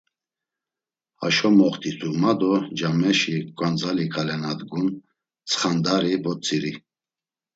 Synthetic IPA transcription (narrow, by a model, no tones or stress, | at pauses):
a̰ʃɔmɔχt̪ʰʼit͡s̪ʰumad̪ɔd͡ʒamɛʃikʼwand͡zalikʰalɛnad̪ɡun | t͡sʰʼχand̪aɾibɔt͡sʼiɾi